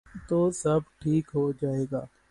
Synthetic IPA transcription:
t̪oːsɐb̚ʈʰiːkɦod͡ʒaːeːɡaː

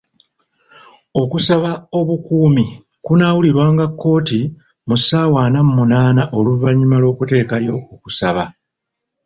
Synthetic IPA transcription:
o̞kusaβao̞βukuːmi | kunawuliɾwaːŋɡakːo̞ːti | musaːwaːnamumunaːnaʔo̞luvaɲːumalo̞ːkute̞ːkajo̞uku̥saβa

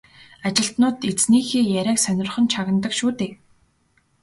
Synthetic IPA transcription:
at͡ɕɪ̆ɬt̪nʊːt̪et͡sniːxeːjæɾʲæːksœnʲɪ̆rχə̆nt͡ɕʰaɣə̆nt̪ə̆kʃuːt̪eː

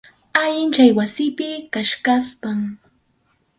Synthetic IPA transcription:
aʎɪnt͡ʃajwasɪpɪkaʃkaspaŋ

